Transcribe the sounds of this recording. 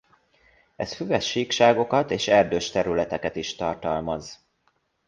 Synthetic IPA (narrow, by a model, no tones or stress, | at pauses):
ɛsfyvɛʃiːkʃaːɡo̞kɒt̪eːʃɛrd̪øːʃt̪ɛɾylɛt̪ɛkɛt̪iʃt̪ɒrt̪ɒlmɒz